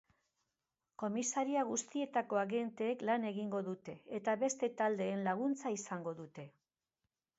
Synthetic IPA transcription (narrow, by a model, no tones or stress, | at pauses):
ko̞misaɾiaɣ̞ust̪ie̞t̪ako̞aɣe̞nt̪e̞ːklane̞ɣiŋɡo̞ðut̪e̞et̪aβe̞st̪e̞t̪ald̪e̞ːnlaɣ̞unt͡saisaŋɡo̞ðut̪e̞